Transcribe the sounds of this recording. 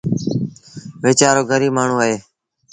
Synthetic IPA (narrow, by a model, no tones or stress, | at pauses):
ʋeːt͡ʃaːɾoːɡʱəɾiːmaːɳ̤ũːəɦeː